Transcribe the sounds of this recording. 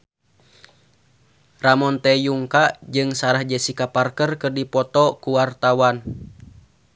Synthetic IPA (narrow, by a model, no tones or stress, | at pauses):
ramɔnt̪ɛjuŋkaʔd͡ʒɨŋsaɾahd͡ʒɛsikaparkərkərdipɔt̪ɔkuwart̪awan